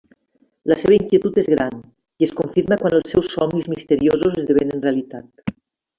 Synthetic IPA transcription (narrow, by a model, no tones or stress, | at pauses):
ləseβaiŋkjet̪ut̪ezɣɾan | iəskoɱfiɾməkwanəlˠsːɛwsːɔmnizmist̪əɾiozuzəzðəβenənreəlit̪at̪̚